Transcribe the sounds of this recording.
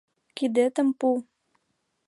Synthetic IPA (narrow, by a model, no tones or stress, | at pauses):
kid̪ət̪ə̆mpu